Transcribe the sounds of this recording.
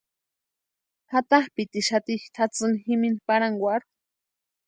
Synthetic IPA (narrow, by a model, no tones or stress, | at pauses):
hat̪ahpit̪iʃat̪ixt̪ʰat͡sɨnximinpaɾaŋɡwʷaɾu